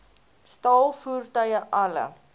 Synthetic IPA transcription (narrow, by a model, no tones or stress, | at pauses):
stɑːlˠfuːrtœɥəʔɐlə̰